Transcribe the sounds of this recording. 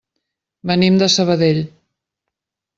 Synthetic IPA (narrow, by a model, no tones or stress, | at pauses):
bənimd̪əsəβəðeʎ